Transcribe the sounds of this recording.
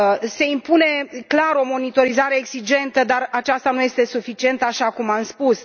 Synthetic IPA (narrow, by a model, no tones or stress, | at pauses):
se̞impune̞klaɾo̞mo̞nit̪o̞ɾizaɾe̞ːɡsid͡ʒe̞nt̪əd̪arat͡ʃast̪anuje̞st̪e̞sufit͡ʃie̞nt̪əaʃakumamspus